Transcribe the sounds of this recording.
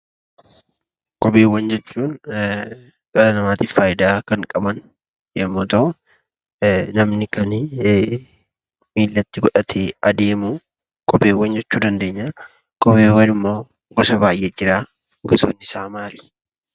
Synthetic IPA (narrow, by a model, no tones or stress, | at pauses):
kʼɔbeːwːɐnd͡ʒɛt͡ʃːuːn | kʼɐlɐnɐmaːt̪iːfaːjɪd̪aːkɐŋkʼɐbɐn | jɛmːoːt̪ɐʔʊ | nɐmnɪkɐn | miːlːɐt̪ːɪɡɔᶑɐt̪ʰeɐd̪e̞ːmuː | kʼɔpeːwːɐnd͡ʒɛt͡ʃːuːd̪ɐnd̪e̞ːɲːa | kʼɔpeːwɐnɪmːoː | ɡɔsɐbaːjʔɛd͡ʒɪɾaː | ɡɔsoːnːɪsaːmaːli̥